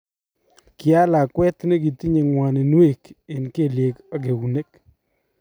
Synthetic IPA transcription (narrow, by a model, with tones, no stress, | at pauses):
kɪ˨a˦la˨kwɛ˦t̪ne˦ɡi˨ti˦ɲe˨ŋwa˨ne˨n˦e˦˨ke˨nke˦˨lje˨ka˦ɡe˨wu˨ne˦k